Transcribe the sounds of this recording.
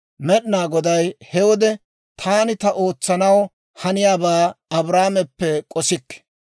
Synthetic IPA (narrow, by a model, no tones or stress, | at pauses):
mɛɗnaːɡɔd̪ɐjhɛwɔd̪ɛ | t̪ʰaːnɪt̪ɐʔo̞ːt͡sːɐnɐw | hɐnɪjaːbaːɐbɾaːmɛpːɛkʼɔsɪkː